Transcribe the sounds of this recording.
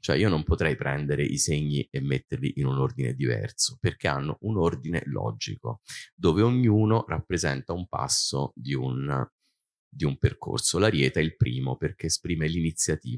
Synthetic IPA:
t͡ʃoɛ̰iːonompot̪ɾɛjpɾɛnd̪eɾeʔiseɲːiemːet̪ːerlḭʔinunord̪inḛd̪ivɛ̰rt̪so̥perk̟ea̰nːoʔunord̪inḛlɔ̰d͡ʒḭko̰d̪oːveoɲːuːnorapːɾezɛ̰nt̪aumpa̰sːod̪iun | d̪iumperko̰rsolaɾjɛːt̪aɛilpɾiːmoperk̟eːspɾiːmelinit̪sːjat̪iːa

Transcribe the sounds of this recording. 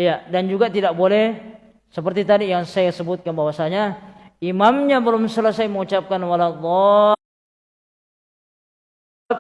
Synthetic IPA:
ijadand͡ʒuɡat̪idak̚bolɛh | səpərt̪it̪adijaŋsajasəbʊt̪̚kanbawasaɲaimamɲabəlʊmsələsajməŋut͡ʃap̚kanwalalːɔ

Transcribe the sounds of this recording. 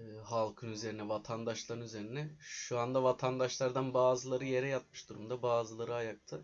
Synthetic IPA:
ɦalˠkʰɯnyze̞ɾinɛvat̪ʰand̪aʃlˠaɾɯnyze̞ɾinɛʃuand̪avat̪ʰand̪aʃlˠaɾd̪anbaːzɯlˠaɾɯje̞ɾɛjat̪̚mɯʃd̪uɾumd̪abaːzɯlˠaɾɯajak̚t̪ʰɯ

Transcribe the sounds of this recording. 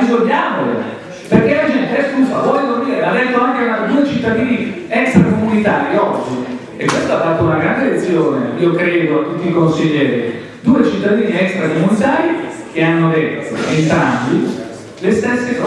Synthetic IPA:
izoʎːaːmolḛ | perk̟elad͡ʒɛnt̪eɛskusavɔlokold̪iːɾead̪ːet̪ːoaŋkenad̪uːet͡ʃit̪ːad̪iːniɛkst̪ɾakomunit̪aːɾiɔd͡ʒːi | ekwest̪aafːat̪ːounaɡɾand̪elet̪sːjoːneiːokɾɛːd̪oat̪ːut̪ːikonsiʎːɛːɾi | d̪uːet͡ʃit̪ːad̪iːniɛkst̪ɾakomunit̪aːɾik̟eanːod̪et̪ːo̰ent̪ɾambi | lest̪esːekɔ

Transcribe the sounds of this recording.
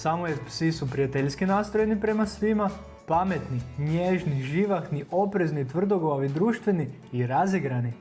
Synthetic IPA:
samojepsisupɾijat̪eʎʲskinaːst̪ɾoje̞nipɾe̞masʋima | pame̞t̪niɲeʒniʒiʋaxniʔo̞pɾe̞znit̪ʋr̩d̪o̞ɡoʋaʋid̪ɾuːʃt̪ʋeniː | ɾaziɡɾani

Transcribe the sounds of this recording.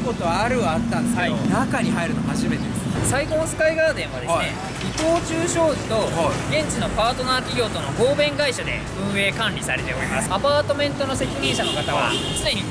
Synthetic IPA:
kot̪oaaɾɯ̟at̪ːãnd̪ekeionakaɲ̟iɦaiɾɯnohaʑime̞t̪ed̪essaikõːsɨ̥kaiɡaːd̪ẽ̞ɰ̃βa̰d̪eee | it̪o̞ːt͡ɕɨːɕo̞ːʑit̪o̞ɡẽ̞ɲ̟t͡ɕino̞paːt̪o̞nakʲiɡʲo̞ːt̪o̞no̞ɡoːbẽ̞ŋɡaiɕad̪e̞̰ | ɯ̟̃ɰ̃e̞ːkãnɾʲisaɾe̞t̪e̞o̞ɾʲimasɨ̥apaːt̪o̞mẽ̞nt̪o̞no̞se̞kʲiɲ̟ĩɰ̃ɕano̞kat̪aβa̰sɨd̪e̞ɲi

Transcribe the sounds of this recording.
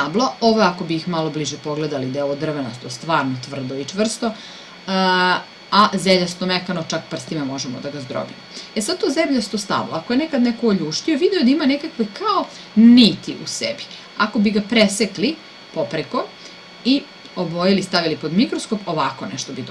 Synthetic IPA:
ablˠaoʋojako̞biːxmalo̞bliʒɛpoɡled̪alid̪elod̪r̩ʋenast̪ost̪ʋaːɾnot̪ʋr̩d̪oit͡ʂʋr̩st̪o | azeʎast̪omekanot͡ʃakpr̩st̪imamo̞ʒemo̰d̪aɡazd̪ɾo̰bimoesad̪̚t̪ozemʎast̪ost̪a̰bla̰akojenekad̪nɛkoːʎuʃt̪ioʋid̪iod̪aimanekakʋekʰao | nit̪iʔṵsebi̥ | ako̞biɡapɾesekli | popɾeko̞ | i | obojelist̪aʋilipod̪mikɾosko̞poʋako̞nɛʃt̪obid̪

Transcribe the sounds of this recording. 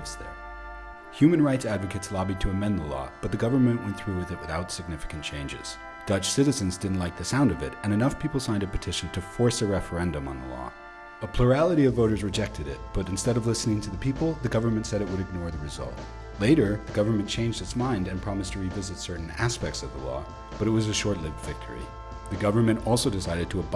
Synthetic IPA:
sðə̰˞ | hjʉmɨ̃nɹaɪtsædvɨkɨtslɑbid̚tʰɨɨmɛ̃nðəlɔ̰b̥ʌt̪̚ðɨɡʌvə˞mɨ̃nʔwɛ̃nθɹʉwɨðɨt̚wɨθaʊtsɨɡ̚nɪfɨ̥kɨ̃n̩t͡ʃʰẽɪ̃nd͡ʒɪ̰z̥ | d̥ʌt͡ʃsɪɾɨzɨ̃nzdɪdⁿn̩ʔˡlaɪk̚ðɨsãʊ̃ndʌvɪɾɨ̃nɨnʌfpʰipl̩ˠsãɪ̃ndɨpɨtʰɪʃn̩tʰɨfɔɹsɨɹɛfə˞ɛ̃ndɨ̃mə̰̃nðə̰lɔ̰ | əpʰl̥uɹælˠəɾiʌvːoʊɾə˞zɹɨd͡ʒɛk̚tʰɨɾɪt̚b̥ʌɾɨ̃n̩stɛɾʌvlɪsnɪ̃ŋtʰɨðɨpʰipl̩ˠðɨɡʌvə˞mɨ̃ntsɛɾɨʔ̚wɨɾɨɡ̚nɔɹðɨɹɨzʌ̰lˠt̚ | leɪɾə˞ðɨɡʌvə˞mɨ̃nt͡ʃʰẽɪ̃nd͡ʒdɨtsmãɪ̃ndɨ̃npʰɹ̥ɑmɨstʰɨɹivɪzɨtsɜ˞ʔn̩æspɛk̚tsʌvðəlɔ̰ | b̥ʌɾɨt̚wʌzɨʃɔɹtˡlɪfv̥ɪk̚tʰə̰˞ḭ | ðɨɡʌvə˞mɨ̃ñɔlˠsoʊdɨsaɪɾɨd̚tʰəːb

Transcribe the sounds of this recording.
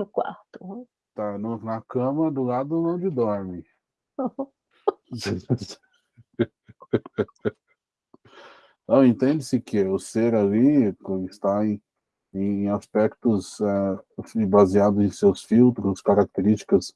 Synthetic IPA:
ʊkwa̰ɾt̪ʊ̥ | t̪anʊnɐkɐ̃mɐd̪ʊlad̪ʊnɐ̃w̃d͡ʒɪd̪ɔɾmɪ | nɐ̃w̃ẽt̪ẽnd͡ʒɪsɪkɪʊseɾalikõst̪aẽj̃ | ẽj̃ẽj̃aspɛkt̪ʊzɛfbaziad̪ʊzẽj̃sewsfiwt̪ɾʊskaɾak̚t̪eɾist͡ʃi̥kɐs

